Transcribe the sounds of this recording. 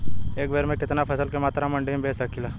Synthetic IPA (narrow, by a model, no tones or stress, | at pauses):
eːkbeːɾmẽkɪt̪napʰɐsəlkemaːt̪ɾamɐ̃ɳɖebʱeːsɐkilaː